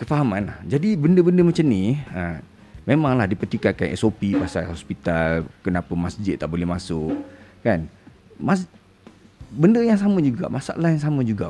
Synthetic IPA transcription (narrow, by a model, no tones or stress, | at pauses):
kəfaɦamãnlahhd͡ʒadibəndəbəndəmat͡ʃamniə | mẽmãŋlahdipərt̪ikakanʔɛ̰sopipasa̰lɦɔspit̪alkənapəmasd͡ʒɪt̪ːaʔbolɛhmasʊʔkan | mas | bəndəjaŋs̬amə̃d͡ʒuɡa̰ʔmʔasa̰ʔa̰lahjaŋsamə̃d͡ʒuɡaʔ